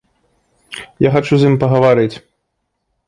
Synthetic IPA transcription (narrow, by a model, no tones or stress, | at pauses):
jaxat͡ʃuzimpɐɣɐvaɾɨt͡sʲ